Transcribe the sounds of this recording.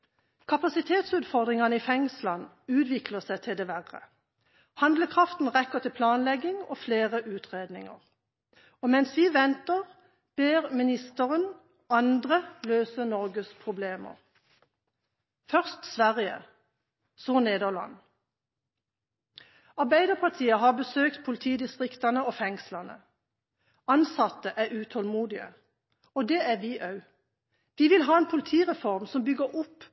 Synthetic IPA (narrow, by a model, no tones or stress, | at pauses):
kʰɑpɑsɪt̪ʰeːt̪sʉːt̪fɔʁd̪ʁɪŋɑnəiːfɛŋslɑn | ʉːt̪ʋɪkʰləsæɪt̪ʰɪld̪eːʋæʁə̰ | hɑnd̪ləkʰʁɑft̪n̩ʁɛkːəʁt̪ʰɪlpʰlɑːnlɛɡɪŋoːfleːʁəʔʉːt̪ʰʁeːd̪nɪŋə̰ʁ | oːmɛnsʋiːʋɛnt̪əʁ | b̥eːʁmɪnɪst̪əʁən | ɑnd̪ʁəløːsənɔʁɡəspʰʁʊbleːmə̰ʁ | fœʁst̪sʋæʁɪə̰ | soːneːd̪əʁlɑ̰n | ɑʁbæɪd̪əʁpʰɑʁt̪ʰiːəɦɑːbəsøːk̚t̪pʰʊlɪt̪ʰiːd̪ɪst̪ʁɪkt̪ɑnəoːfɛŋslɑnə̰ | ɑnsɑt̪əʔæːʁʉːt̪ʰɔlmuːd̪ɪə̰ | ɔd̪ɛːæːʋiːʔɑʉ | ʋiːʋɪlɦɑːeːnpʰʊlɪt̪ʰiːʁɛfɔʁmsɔmbʏɡəʁʊp